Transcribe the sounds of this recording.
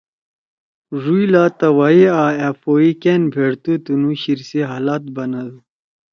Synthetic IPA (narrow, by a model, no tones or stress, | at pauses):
ʐuilaːt̪ɐwaiaːafoikenbʱeɽt̪ut̪unuɕiɾsiɦaːlaːt̪̚bɐnɐd̪u